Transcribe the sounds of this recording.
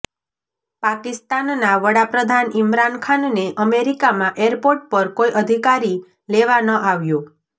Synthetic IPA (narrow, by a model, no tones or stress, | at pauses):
pakist̪anːaʋəɽapɾəd̪ʱanimɾankʰanneʔəmeɾikamãʔeɾpoɾʈ̚pəɾkoiʔəd̪ʱikaɾi | leʋanəʔaʋjũ